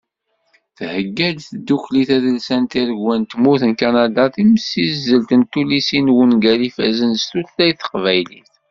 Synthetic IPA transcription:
θhəɡːæd̪θəd̪ːukliθæðəlsænt̪iɾəɡwænt̪muθnkanad̪aθiməsːizːəlt̪ənt̪ulisinwənɡælifæzənst̪ullæjθə̥qvæjliθ

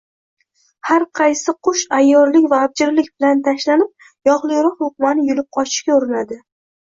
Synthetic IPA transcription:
haɾqʰɑjsɪqʰʊʃajːɒɾlɪkʲvaːb̚d͡ʒɪɾlɪkʲbɪlant̪ʰaʃlanɪp̚ | jɒʁlˠɪjɾɒqhʊq̚manɪjʊlɪp̚qʰɒt͡ʃʰɪ̥ʃkʲaʊɾɪnad̪ɪ

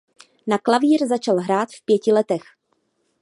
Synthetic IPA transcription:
naklaviːɾzat͡ʃalɦɾaːt̪fpjɛcɪlɛt̪ɛx

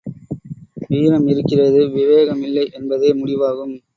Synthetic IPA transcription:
ʋiːɾɐmɪɾɯkːɪrɐðɯʋɪʋeːɣɐmɪlːɐɪʔɛnbɐðeːmʊɽɪʋaːɣɯm

